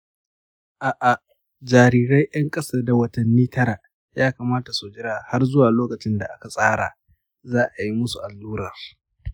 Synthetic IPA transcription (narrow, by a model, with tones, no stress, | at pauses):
ʔaː˨ʔa˨ | d͡ʒaː˨ɾiː˨ɾɐ˦jjɐ˦ŋkʼɐ˦sɐ˦rda˨wɐ˦tɐ˨nːiː˦tʰɐ˦ɾa˨ | jaː˦kaː˨maː˦ta˨su˨d͡ʒɪ˦ɽaː˨ha˦rzʊ˦waː˨loː˦kɐ˨t͡ʃɪ˦nda˨ʔa˦ka˨sʼaː˦ɽa̰ː˨ | zaː˦ʔa˨ji˦mʊ˦su˨ʔa˨lːuː˦ɾaː˨r